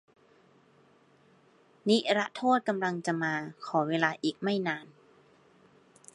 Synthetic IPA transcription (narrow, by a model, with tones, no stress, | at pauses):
ni˦˥ʔɾa˦˥ʔt̪ʰoː˥˩t̪̚ka˧mla˧ŋt͡ɕa˨˩ʔmaː˧kʰɔː˩˦weː˧laː˧ʔiː˨˩k̚ma˥˩jnaː˧n